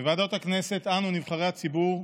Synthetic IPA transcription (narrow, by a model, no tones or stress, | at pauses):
vad̪ot̪akne̞se̞t̪anunivχaʁeat͡sibuʁ